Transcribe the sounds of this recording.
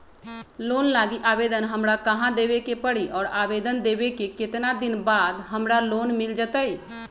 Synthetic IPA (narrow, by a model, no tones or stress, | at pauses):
loːnlaːɡiʔaːʋeːd̪ənɦəmɾakəɦãd̪eːʋekepəɽiʔɔːɾaːʋeːd̪ənd̪eːʋekekɪt̪nad̪ɪnbaːd̪ɦəmɾaloːnmɪld͡ʒət̪aiː